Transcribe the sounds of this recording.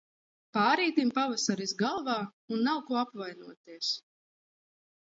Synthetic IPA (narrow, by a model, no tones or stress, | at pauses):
paːɾiːt̪impavasaɾizɡalˠvaːunːawkuɔapvajnuɔt̪iɛs